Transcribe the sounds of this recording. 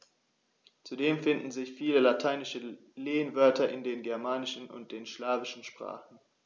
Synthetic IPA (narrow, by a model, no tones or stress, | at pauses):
t͡sudeːmfɪndn̩zɪçfiːləlatʰaɪnɪʃə | leːənvœɐtɐʔɪndeːnɡɛɐmaːnɪʃn̩ʊ̰nt̚d̥eːnʃlaːvɪʃn̩ʃpʁ̥a̰ːχn̩